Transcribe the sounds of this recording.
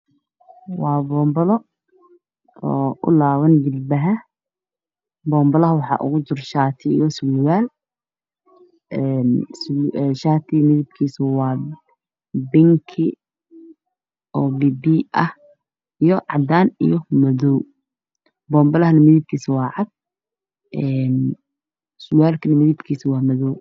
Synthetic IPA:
wɑːbɔːmbɐlɔ | ɔːʔʊ̰laːwɐnd͡ʒɪlbɐɦɐ | bɔːmbɐlɐɦɐwɑħɑ̰ːʔʊ̰ɣʊt͡ʃɪrʃaːt̪ʰɪ̰jɔswɪwaːl | ʔɛːnsʃaːt̪ʰɪmɪðɪb̚kʰiːswɑː | bɪŋkʰɪ | ʔɔːbibiʔɐh | ʔijɔʕɑ̰d̪aːnḭjɔmɐðɔw | bɔːmbɐlɐhɐnɐmɪðɪb̚kʰiːsɐwɑːʕɑd̪̚ | ʔɛn | swjaːlkʰɐnɐmɪðɪbkʰiːsɐwɑːmɐðɔw

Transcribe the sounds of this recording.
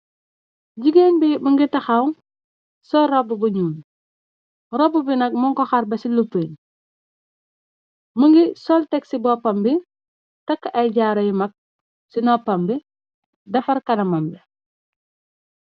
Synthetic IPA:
ɟiɡenbiməŋɡitɐxawn | sɔːɾɔbubuɲuːn | ɾɔbubinɐk̚mɔŋkɔxaɾbɐsilupen | məŋɡisɔltɛksibɔpːɐmbi | tɐkːʔɐjɟaːɾɔjimɐk̚ | sinɔpɐmbi | dɐfɐɾkɐnɐmambi

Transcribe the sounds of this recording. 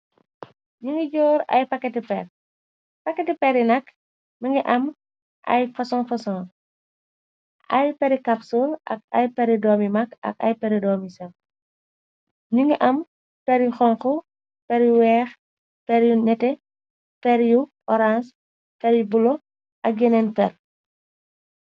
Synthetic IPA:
ɲuŋɡiɟɔːɾɐ̰jpɐkːɛtipɛr | pɐkːɛtipɛɾinɐk | mɐŋɡiʔɐm | ɐ̰jfɐsɔ̃ːfɐsɔ̃ː | ʔɐjpɐɾikɐpsulɐ̰k̚ɐ̰jpɐɾidɔːmimɐkɐ̰kɐ̰jpɛɾidɔːmisɛl | ɲuŋɡiʔɐm | pɛɾjuxɔŋxu | pɛɾjuwɛːx | pɛɾjunɛtɛ | pɛɾjuʔɔɾans | pɛɾjubulɔ | ʔɐk̚ɡɛnɛnpɛr

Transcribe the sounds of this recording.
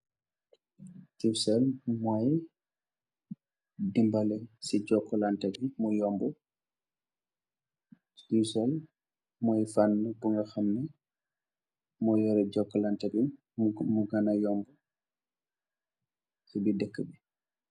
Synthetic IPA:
tiwsɛlmɔj | dimbalɛsid͡ʒɔkːɔlantaɡimɔjɔmbɔ | iwsɛl | mɔjfanːubuŋɡɔxamnɛ | mɔjɔɾɛd͡ʒɔkːɔlantaɡi | muɡanajɔmbɔ | ɛbidəkːəbi

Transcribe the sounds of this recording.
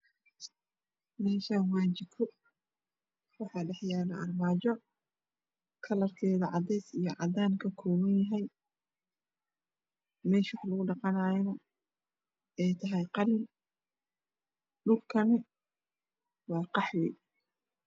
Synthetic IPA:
mɛːʃanwaːt͡ʃɪb̚kʰʊ | wɑħɑːɖɛħjaːlɐʔɐrmaːt͡ʃɔ | kʰɐlɐrkʰɛːðɐʕɑd̪ɛjsijɞʕɑd̪aːnkʰɐkʰɔːwɐnjɐɦɛj | mɛːʃwɑħlʊɣʊɖɑqɑnaːjɛnɐ | ɛjt̪ʰɐɦɛjqɑlɪn | ɖʊlkʰɐnɪ | wɑːqɑħwɛ̰j

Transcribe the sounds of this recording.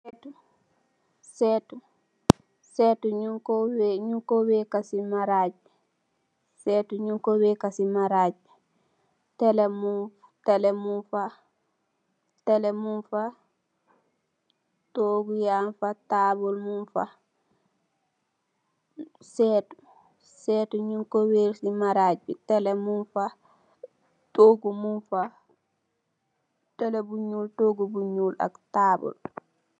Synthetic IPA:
stu | sɛtu | sɛtuɲuŋkoweɲuŋkowekasimaɾaːd͡ʒ | sɛtuɲuŋkowekasimaɾad͡ʒ | tɛlemu | tɛlɛmunfa | tɛlɛmunfa | toɡujanfataːbɔlmunfa̰ | sɛːtu̥ | sɛːtuɲuŋkɔweɾsimaɾaːd͡ʒbitɛlɛmunfa | toɡumunfa | tɛlɛbuɲuːltoːɡubuɲuːlʔa̰ktaːbɔ̰l

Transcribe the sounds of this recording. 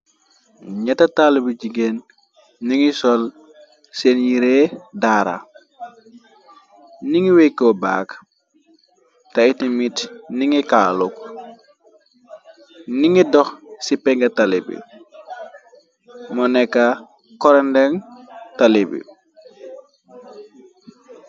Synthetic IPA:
ɲatatalubiɟiɡen | niŋisɔl | senjiɾedaːɾa̰ | niŋiwekːɔba̰ːk | taitimitniŋikaːluk | niŋidɔxsipɛŋɡatalḭbḭ | mɔnɛkːa | kɔɾɛndɛŋtalebḭ

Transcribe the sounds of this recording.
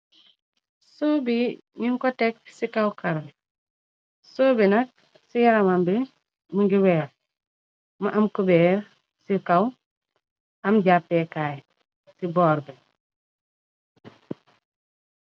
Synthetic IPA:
soːbi | ɲiŋkɔtɛk̚sikɐwkɐɾ | soːbinɐk̚ | sijɐɾɐmambi | məŋɡiwɛːɾ | mɐʔɐmkubɛːɾ | sikɐw | ɐmɟapːɛkaːj | sibɔːɾbɛ

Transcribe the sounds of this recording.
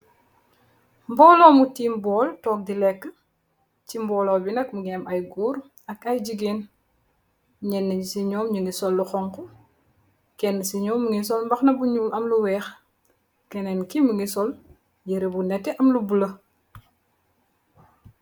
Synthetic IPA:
mbɔːlɔːmutiːmbɔːltɔːk̚dilɛkːə | cimbɔːlɔːbinɐk̚muɡɛɛmɐjɡuːɾ | ɐkɐjɟiɡeːn | ɲɛnːəɲisiɲɔːmɲəŋɡisɔlːuxɔŋkɔ | kɛnːəsiɲɔːmːəŋis̬ɔlmbɐxnɐbuɲuːlɐmluwɛːx | kɛnɛnkiməŋɡisɔl | jəɾebunɛtːɛʔɐmlubulə

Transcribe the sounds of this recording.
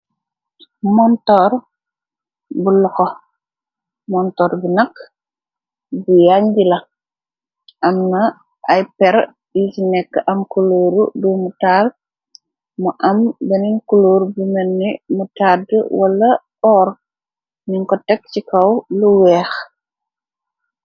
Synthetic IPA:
mɔntɔr | bulɔkɔ | mɔntɔːɾbinɐkː | bujaɲɡilɐ | ʔɐmnɐ | ʔɐjpɛɾ | jisinɛkːəʔɐmkuloːɾudumutal | muʔɐmbɛninkuloɾbumɛnːimutaːdwɐlːɐpɔːɾ | niŋkɔtɛk̚t͡ʃikɐwluwɛːx

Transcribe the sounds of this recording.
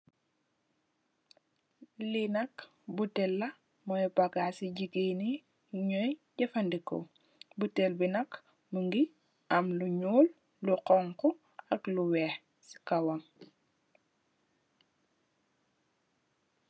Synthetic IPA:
linɐk | butɛlːɐ | mɔjpaɡasiɟiɡeni | ɲɔjɟɐfɐndikɔ̰ | butɛlbinɐk | muŋɡi | ʔɐmluɲuːl | luqɔŋkɔ | ɐkluwɛːx | si̥kɐwɐŋ

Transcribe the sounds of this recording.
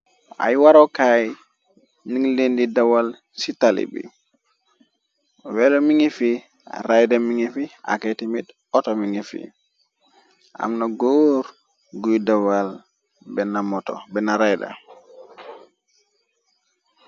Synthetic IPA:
ʔa̰jwaɾɔkaj | niŋlendidawal | sitalḭbḭ | wɛlomiŋifḭ | ɾajdamiŋifia̰katimit | ɔtɔmiŋifḭ | ʔa̰mnaɡoɾ | ɡujdawal | bɛnamɔtɔ̰bɛnaɾajda̰

